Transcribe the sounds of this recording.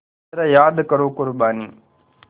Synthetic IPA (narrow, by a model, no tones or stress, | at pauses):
ɾaːjaːd̪kəɾoːkʊɾbaːniː